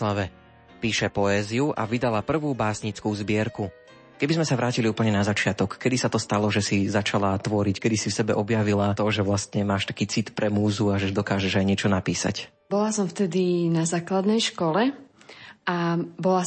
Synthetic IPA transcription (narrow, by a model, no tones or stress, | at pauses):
laʋɛ | piːʃɛpɔɛːziuʔa̰ʋid̪alapr̩ʋuːbaːsɲit͡skuːzbɪɛɾku | kɛbizmɛsaʋɾaːciliuːpl̩ɲɛnazat͡ʃɪat̪ɔkːɛd̪isat̪ɔst̪alɔʒɛsizat͡ʃalat̪ʋɔɾickɛd̪isifsɛbɛʔɔbjaʋilat̪ɔʒɛʋlast̪ɲɛmaːʃt̪ḁkiːt͡sit̪pɾɛmuːzuaʒɛʒd̪ɔkaːʒɛʒajɲɪɛt͡ʃɔnapiːsa̰c | bɔlasɔ̃mft̪ɛd̪inazaːklad̪nɛjʃkɔlɛ | abɔla